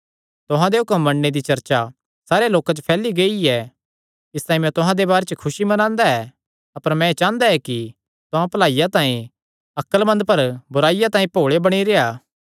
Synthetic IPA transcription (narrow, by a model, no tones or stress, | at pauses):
t̪ʊɦãd̪eɦʊkəmːɐɳned̪it͡ʃɐɾt͡ʃa | saːɾeloːkat͡ʃpʰɛːliɡeiɛ | ɪst̪ãːĩmjɛ̃t̪ʊɦãd̪ebaːɾet͡ʃkʰʊsimɐnãːnd̪aɛ | ɐpəɾmɛ̃et͡ʃãːnd̪aɛki | t̪ʊɦãpɐlaːijat̪ãːĩ | ɐkəlmɐ̃nd̪pɐɾbʊɾaːijat̪ãːĩpoːɭebɐɽ̃iɾeːaː